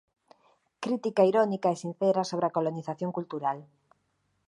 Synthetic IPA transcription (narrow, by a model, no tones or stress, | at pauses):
kɾit̪ikaiɾonikaesin̟θeɾasoβ̞ɾeakoloniθaθjoŋkult̪uɾal